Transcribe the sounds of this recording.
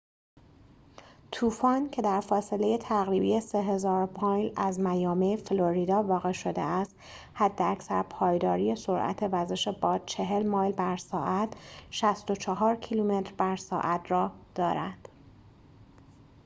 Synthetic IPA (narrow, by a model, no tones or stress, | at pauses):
t̪ʰuːfɒːncʰe̞d̪æɾfɒːse̞le̞je̞t̪ʰæɣɾiːbije̞se̞ɦe̞zɒːɾpʰɒːjlæzmæjɒːmefloɾiːd̪ɒːvɒːɣe̞ʃod̪ḛæst̪ | hæd̪ːeæcsæɾpʰɒːjd̪ɒːɾijeso̞ɾʔæ̰t̪ʰe̞væɾze̞ʃe̞bɒːd̪̥̚t͡ʃʰe̞ɦe̞lmɒːjlbæɾsɒːʔæt̪ʰʃæst̪o̞t͡ʃʰɒɦɒːɾcʰilume̞t̪ɾbæɾsɒ̰ːʔæt̪ʰɾɒːd̪̥ɒːɾænd̪̥